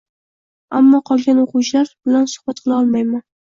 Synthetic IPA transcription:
amːɒqʰɒlˠɡʲanoqʊwt͡ʃʰlaɾbɪlansʊ̥hb̥at̪̚qʰɨlˠɑɒlˠmajman

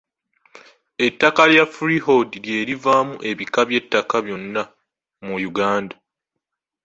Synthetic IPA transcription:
e̞tːakaljafɾiho̞dilje̞ːɾivaːmuʔe̞βikaβje̞tːakaβjo̞nːa | mujuɡaːnda

